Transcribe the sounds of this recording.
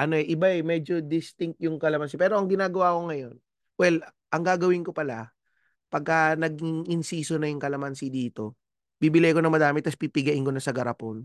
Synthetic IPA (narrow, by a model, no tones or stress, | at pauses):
ʔɐno̞ɛʔɪbaʔɛmɛd͡ʒo̞d̪ɪst̪ɪŋk̚t̪̚jʊŋkɐlɐmɐnsipɛːɾo̞ɐŋɡɪnaːɡɐwaːko̞ŋɐjo̞n | wɛl | ʔɐŋɡaːɡɐwɪŋko̞pɐla | pɐɡ̚kɐnɐɡɪŋʔɪnsiːsonɐjʊŋkɐlɐmɐnsid̪iːt̪o̞ | b̥iːbɪlajkonɐŋmɐd̪aːmɪt̪ɐspipɪɡɐʔɪnko̞nɐsɐɡɐɾɐpon